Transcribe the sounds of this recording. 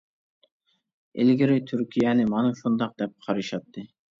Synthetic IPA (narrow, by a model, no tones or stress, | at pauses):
ḛlɡʲiɾɪt̪ʰyɾkʲʰijɛnɪmɑnuʃund̪ɑq̚d̪̥ɛp̚qʰɑɾɨʃɑt̪ʰːɨ